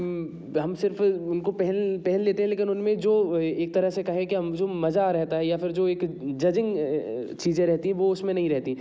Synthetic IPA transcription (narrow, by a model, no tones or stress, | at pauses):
ɦɐmsɪɾfʊnkopɛɦɛlpɛɦɛ̃nleːt̪ẽɦɛ̃leːkɪnʊnmẽd͡ʒoːeːk̚t̪ɐɾəɦsekɐɦẽkiɐmd͡ʒoːmɐzaɾɛɦt̪aɦɛjafɪɾd͡ʒoːeːkd͡ʒɐd͡ʒɪ̃ŋɡt͡ʃiːzẽɾɛɦt̪iɦɛ̃ʋoʊsmẽnɐɦĩɾɛɦt̪i